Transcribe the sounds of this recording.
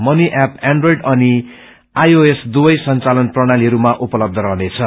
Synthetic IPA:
mʌniʔapaɳɖrojɖʌni | ajoesd̪ubʌjsʌnt͡salʌnprʌɽ̃aliɦʌɾumaʔupʌlʌb̚d̪ʱʌɾʌɦnet͡sʰʌ

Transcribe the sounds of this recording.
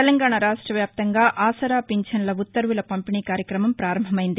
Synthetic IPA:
t̪ɛlɐŋɡaːɳaɾaːʂʈɾɐʋjaːp̚t̪ɐŋɡaːʔaːsɐɾaːpiɲt͡ʃɐnlɐut̪ːɐɾʋulɐpɐmpiniːkaːɾjɐkɾɐmɐmpɾaːɾɐmbʱɐmɐjind̪i

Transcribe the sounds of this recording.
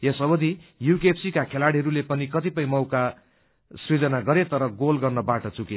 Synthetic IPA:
jʌsʌbʌd̪ʱijukepsikakʰelaɽiɦʌɾulepʌnikʌt̪ipʌj̃mʌwka | srid͡zʌnaɡʌɾet̪ʌɾʌɡolɡʌrnʌbaʈʌt͡suke

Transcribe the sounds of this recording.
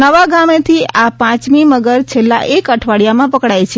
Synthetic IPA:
əʋaɡamet̪ʰiapãt͡ʃmiməɡəɾt͡ʃʰelːa̰ʔekəʈʰʋaɽijamãpəkɽajt͡ʃʰe

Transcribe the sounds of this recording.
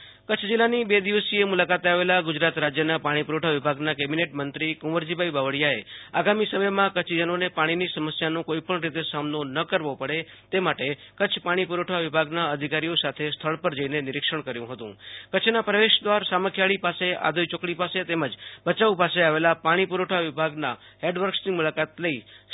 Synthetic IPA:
kət͡ʃʰd͡ʒɪlanibed̪iʋəsiemulakat̪aʋelaɡʊd͡ʒɾat̪ɾad͡ʒjənapaɽ̃ipuɾoʈʰaʋibʱaɡnakɛbineʈmənt̪ɾikũʋəɾd͡ʒibʱaibaʋəɽjaeaɡamisəməjmãkət͡ʃʰd͡ʒənonepaɽ̃inisəməsjanõkoipəɳɾit̪esamnonəkəɾʋopəɽe | t̪emaʈekət͡ʃʰpaɽ̃ipuɾoʈʰaʋibʱaɡnaəd̪ʱikaɾijosat̪ʰest̪ʰəɭpəɾd͡ʒəinenɪɾɪkʃəɳ̃kəɾjũɦət̪ṵ̃kət͡ʃʰnapɾəʋeʃd̪ʋaɾsaməkʰjaɭipasea̰d̪ʱojt͡ʃokɽipaset̪eməd͡ʒbət͡ʃaupaseaʋelapaɽ̃ipuɾoʈʰaʋɪbʱaɡnaɦeɖʋəɾksnimulakat̪ləi

